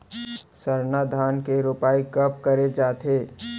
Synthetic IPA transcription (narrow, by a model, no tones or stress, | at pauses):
sɐɾnad̪ʱaːnkeɾʊpaːikɐp̚kɐɾed͡ʒaːt̪ʰeː